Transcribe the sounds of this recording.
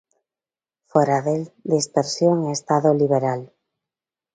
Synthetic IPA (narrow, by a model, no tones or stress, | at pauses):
foɾaðeld̪ispeɾsjoŋest̪aðoliβeɾal